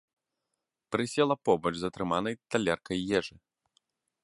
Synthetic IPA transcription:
pɾɨsʲɛlˠɐpɔbɐt͡ʂzɐt̪ɾɨmanɐjt̪alʲɛrkɐjːɛʐɨ

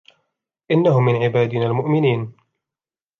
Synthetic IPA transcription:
ʔɪnːahʊmːɪnʕɪbaːd̪ɪnaːlmʊʔmɪniːn

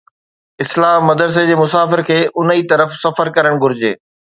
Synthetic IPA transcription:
ɪslaːɦmɐd̪əɾs̬ed͡ʑeːmʊsaːfɪɾkʰeːʔʊnit̪ɐɾəfsɐfəɾkɐɾəɽ̃ɡʱʊɾɪd͡ʑeː

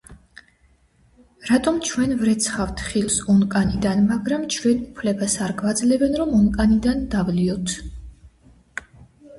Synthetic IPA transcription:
ɾat̪ʼɔmt͡ʃʰwɛnvɾɛt̪sʰχaft̪ʰχilˠsɔnkʼanid̪anmaɡɾamt͡ʃʰwɛnupʰlɛbasaɾɡvad̪zlɛbɛnɾɔmɔnkʼanid̪and̪avliɔt̪ʰ

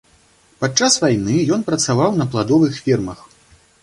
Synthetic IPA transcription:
pat͡ʂasvajnɨjɔnpɾɐt̪savawnɐplˠad̪ɔvɨxfʲɛrmɐx

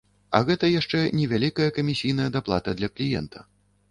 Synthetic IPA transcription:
ɐ̰ɣɛt̪ɐjaʂt͡ʂɛnʲɛvʲalʲikɐjɐkɐmʲisʲijn̪ɐjɐd̪aplˠat̪ɐd̪lʲɐklʲijɛ̰nt̪ʰɐ̥

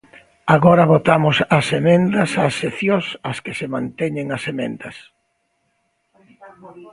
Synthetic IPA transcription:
aɣɔɾɐβot̪amʊsɐsemẽnd̪ɐsasːeθjõsɐskɪsemãnt̪ɛɲẽŋɐsemḛ̃nd̪ɐs

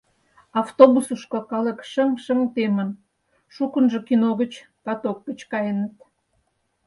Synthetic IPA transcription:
ɑft̪obusuʃkokɑlə̆kʃəmʃəmt̪emə̆n | ʃukənʒokinoɣət͡ɕpɑt̪ok̚ːət͡ɕkɑjənət̪

